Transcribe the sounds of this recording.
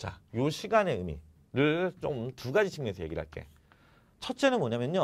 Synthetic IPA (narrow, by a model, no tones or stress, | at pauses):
t͡ɕajoɕʰiɡane̞ɯmḭ | ɾɯɭt͡ɕomtuɡad͡ʑit͡ɕʰimɯensʰʌje̞ɡiɭɦa̰ɭk͈e̞̰ | t͡ɕʰʌt̚t͡ɕ͈e̞nɯnmoɲamjʌɲɲo